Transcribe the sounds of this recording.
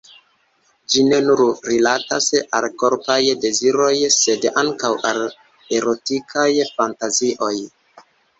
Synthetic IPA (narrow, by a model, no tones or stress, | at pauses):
d͡ʒine̞nuɾɾilatasa̰lko̞ɾpajde̞ziɾo̞jse̞daŋkawʔa̰l | e̞ɾo̞tikʰajfantaziʔo̞j